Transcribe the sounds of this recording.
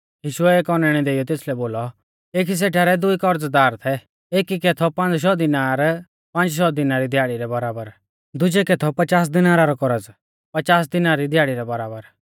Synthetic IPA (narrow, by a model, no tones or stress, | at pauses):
jiːʃʊɛeːkɔnɛɽ̃ɛd̪eːɪjɔt̪eːslɛboːlɔ | eːkʰis̬eːʈʰaːɾɛd̪ʊikɔɾd͡zd̪aːɾt̪ʰɛ | eːkikɛt̪ʰɔpãnd͡zʃɔd̪ɪnaːɾ | pãnd͡ʒʃɔd̪ɪnaɾid̪ʱjaːɽiɾɛbɐɾaːbəɾ | d̪ʊd͡ʒɛkɛt̪ʰɔpɐt͡ʃaːs̬d̪ɪnaːɾaɾɔkɔɾəd͡z | pɐt͡ʃaːs̬d̪ɪnaɾid̪ʱjaːɽiɾɛbɐɾaːbəɾ